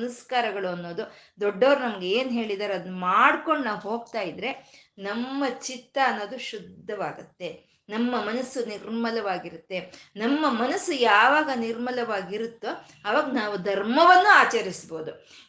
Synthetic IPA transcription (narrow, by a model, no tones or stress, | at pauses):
nɐskaːɾɐɡɐɭuɐnːo̞ːd̪u | d̪ɔɖːɐʋɐɾunɐmɐɡeeːnɦe̞ːɭid̪aːɾeɐd̪unumaːɽko̞ɳːɐɦo̞ːɡ̚t̪aːjid̪ɾe̞nɐmːɐt͡ʃit̪ːɐːnːo̞ːd̪uʃud̪ʱːɐʋaːɡut̪ːe̞ | nɐmːɐmɐnɐsːuniɾmɐlɐʋaːɡiɾut̪ːe̞nɐmːɐmɐnɐsːujaːʋaːɡɐniɾmɐlɐʋaːɡiɾut̪ːu | ɐʋaːɡɐnaːʋud̪ʱɐɾmɐʋɐnːuaːt͡ʃɐɾisbo̞ːd̪u